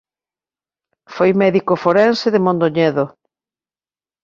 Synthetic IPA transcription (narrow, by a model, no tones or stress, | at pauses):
fojmɛðikofoɾɛnsɪðɪmõnd̪oɲɛðo